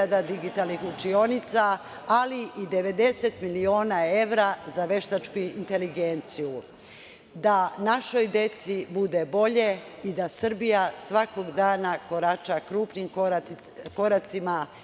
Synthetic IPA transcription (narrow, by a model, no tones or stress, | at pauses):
ad̪ad̪iɡit̪alnixut͡ʃio̞nit̪saː | liʔid̪e̞ʋe̞d̪e̞se̞t̪milio̞ːnae̞ʋɾazaʋe̞ʃt̪at͡ʃkuint̪e̞liɡe̞nt̪siju | d̪anaʃo̞jd̪e̞t̪sibud̪e̞bo̞ʎe̞ | id̪asr̩bijasʋakoɡd̪aːnako̞ɾat͡ʃakɾuːpnim | ko̞ɾat̪sima